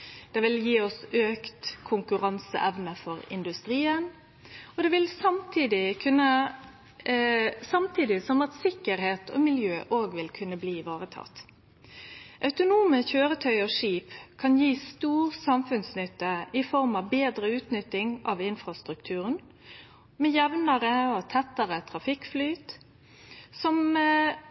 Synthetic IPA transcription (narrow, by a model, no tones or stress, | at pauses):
d̪̥ɛʋɪljiːɔsøːkt̪kʰʊŋkʉɾɑnsə̰ʔɛʋnəfɔɾɪ̰nd̪ʉst̪ɾiːən | ɔd̪ɛʋɪlsɑmt̪ʰiːd̪ɪkʰʉnːə | sɑmt̪ʰiːd̪ɪsɔmɑt̪sɪkːəɾheːt̪ʰo̰ːmɪljøːʔoːɡʋɪlkʰʉnːəbliːʋɑːɾət̪ʰɑ̰t̪ː | ʔœʉt̪ʊnuːməçøːɾət̪ʰœʏɔʂiːpkʰɑnjiːst̪uːɾsɑmfʉnsnʏt̪ːəɪfɔɾmɑʋbeːd̪ɾəʉːt̪nʏt̪ːɪŋɑ̰ʋɪnfɾɑst̪ɾʉkt̪ʰʉːʁən | mɛjɛʋnəɾəɔt̪ʰɛt̪ːəʁət̪ʰɾɑfɪkːflyːt̪ | sɔm